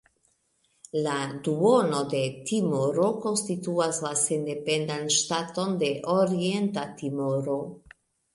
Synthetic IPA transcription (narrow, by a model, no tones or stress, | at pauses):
laduo̞no̞de̞timoɾo̞ko̞nstituaslase̞nde̞pendanʃtato̞nde̞ʔoɾie̞ntatimoɾo̞